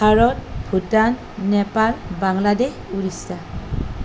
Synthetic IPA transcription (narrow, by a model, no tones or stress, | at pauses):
aɹɔt̚pʰutanː | ɛpalbaŋladehuɾisa